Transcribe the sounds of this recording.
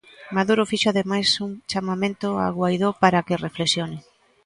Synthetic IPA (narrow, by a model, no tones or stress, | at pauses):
maðuɾofiʃoaðemajsuŋt͡ʃamamẽnt̪ʊa̰ɣwajðopaɾakɪreflesjonɪ